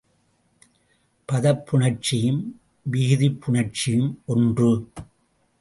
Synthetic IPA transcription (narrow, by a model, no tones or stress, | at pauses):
pɐðɐpːʊɳɐɾt͡ʃɪjɯm | ʋɪɣɪðɪpʰːʊɳɐɾt͡ʃːɪjɯmɔndrɯ